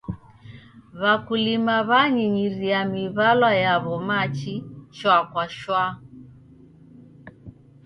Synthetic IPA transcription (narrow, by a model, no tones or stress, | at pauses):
βakulimaβaɲiɲiɾiamiβalwajaβɔmat͡ʃit͡ʃwakwaʃwa